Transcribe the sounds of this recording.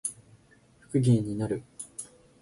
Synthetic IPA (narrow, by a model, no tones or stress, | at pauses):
ɸɯ̥kɯ̟ɡʲẽɲ̟ːinaɾɯ̟